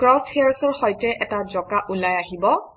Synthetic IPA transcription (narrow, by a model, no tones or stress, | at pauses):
kɹɔsheaɹsɔɹxɔjtɛʔɛtazɔkaʔulajaɦibɔ